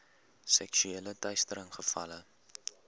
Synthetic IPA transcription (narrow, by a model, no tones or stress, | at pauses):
sɛksyeːlətœɥstəɾəŋχəfɐ̰lə